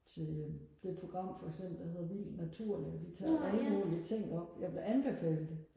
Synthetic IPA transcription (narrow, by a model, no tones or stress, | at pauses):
t͡sʰe̝ld̥e̝̥pʰo̝ɡ̥ʁɑ̈m̰fɒ̽eɡ̥sem̰b̥l̩d̥ɐhe̝ð̞̰ˠʋil̰d̥næt͡sʰuɐ̰liɒd̥it͡sʰɑ̰̈ːæləmo̝ːliət͡sʰe̝ŋ̰ɒ̽b̥jɑ̈ɪb̥le̝ʔænb̥e̝fɛ̰ːld̥